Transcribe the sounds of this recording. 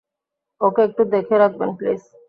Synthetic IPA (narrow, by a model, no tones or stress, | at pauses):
okeek̚ʈud̪ekʰeɾak̪̚bə̰nplḛːs